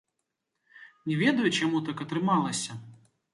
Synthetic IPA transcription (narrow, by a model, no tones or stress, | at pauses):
nʲɛvʲɛd̪ɐjut͡ɕamut̪akɐt̪ɾɨmalˠɐsʲɐ